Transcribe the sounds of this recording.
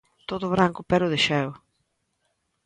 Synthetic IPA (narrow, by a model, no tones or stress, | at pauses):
t̪oðʊβɾaŋkʊpɛɾʊðɪʃɛw